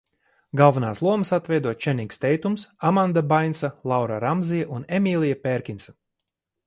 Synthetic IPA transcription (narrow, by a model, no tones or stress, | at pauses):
ɡalˠvanaːslˠuɔməsat̪vɛjd̪uɔt͡ʃɛniŋkst̪ɛjt̪umsamãnd̪abajnsalˠawɾaɾamzijaʔunemʲiːlˠijapeɾkʲinsa